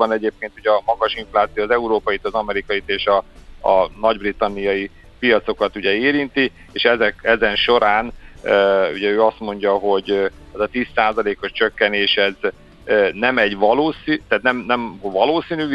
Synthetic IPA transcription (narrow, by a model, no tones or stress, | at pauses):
ɒnɛɟeːp̚keːnt̪uɟɛɒmɒɡɒʃiɱflaːt̪sijoːzɛuɾoːpɒjit̪ɒzɒmɛɾikɒjit̪eːʃɒː | nɒɟbrit̪ɒnːijɒji | pijɒt̪so̞kɒt̪uɟɛeːɾint̪i | eːʃɛzɛkɛzɛnʃo̞ɾaːn | ṵɟɛøːɒst̪mo̞ɲɟɒɦo̞ɟ | ɛzɒt̪iːsːaːzɒleːkoʃt͡ʃøkːɛneːʃɛz | nɛmɛɟʋɒloːsit̪aːt̪nɛmnɛmvɒloːsiːny